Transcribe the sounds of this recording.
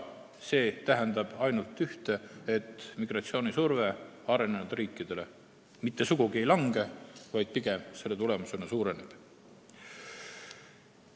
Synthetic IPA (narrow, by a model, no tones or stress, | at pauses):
se̞ːt̪æɦɛnd̪ɑb̥ɑjnult̪ːˑyht̪e̞et̪ˑːmiɡ̥rɑt̪sio̞ːnisurve̞ | ɑɾe̞ne̞nud̪̥riːkːˑid̪̥e̞le̞ | mit̪ːe̞suɡ̥uɡie̞jlɑŋɡ̥e̞vɑjd̪̥̚piɡ̥e̞mse̞lːe̞t̪ule̞muse̞nɑsuːɾe̞neb̥